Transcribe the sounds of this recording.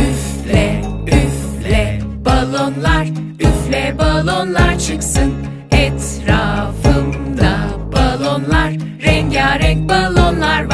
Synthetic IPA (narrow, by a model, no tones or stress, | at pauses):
yf | lʲɛ | yf | lʲɛbalˠonlˠaɾ | yflʲɛbalˠonlˠaɾt͡ʃʰɯksɯn | ɛt̪ | ɾafɯnd̪a | balˠonlˠaɾː | ɛɲɟaːɾɛc̚balˠonlˠaɾv